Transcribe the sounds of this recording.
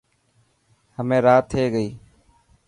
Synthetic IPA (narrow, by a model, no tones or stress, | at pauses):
həmẽːɾaːt̪ʰːeːɡəiː